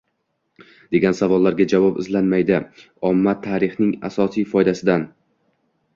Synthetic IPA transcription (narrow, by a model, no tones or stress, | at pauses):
d̪e̞ɡʲansavɒlˠːaɾɡʲad͡ʒavɒpɪzlanmajd̪ɪ | ɒmːat̪ʰːaɾɪχnɪŋa̰sɒsijfɒjd̪asɪd̪an